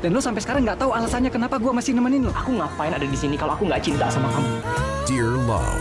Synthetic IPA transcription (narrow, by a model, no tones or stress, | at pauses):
d̥anlʊsampɛsə̥kaɾaŋːɡaʔt̪aualasanɲakənapaɡuamasɪnəmaninlɔʔakuŋapaɪnadadisinikaloakuŋɡaʔt͡ʃint̪asamakamud̥iɹla̰